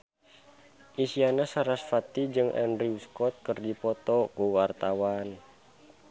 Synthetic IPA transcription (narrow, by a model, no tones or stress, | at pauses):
ʔisianasaɾasfat̪id͡ʒɨŋʔɛ̰nɾiuskɔt̪̚kərdipɔt̪ɔkuwart̪awan